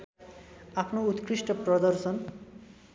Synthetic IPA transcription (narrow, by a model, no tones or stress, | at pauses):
apnout̪kɾiʃʈopɾɔd̪ɔɾʃon